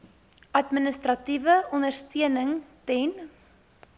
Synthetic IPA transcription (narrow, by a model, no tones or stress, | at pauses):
ɐtminəstrɐtivəɔndərstiənəŋtɛn